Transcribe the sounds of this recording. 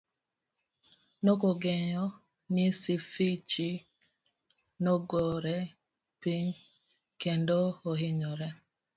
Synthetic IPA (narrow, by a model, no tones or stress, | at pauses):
nokoɡeɲɔ | nisifit͡ʃi | noɡɔɾɛ | piɲ | kendooɦɪɲɔɾɛ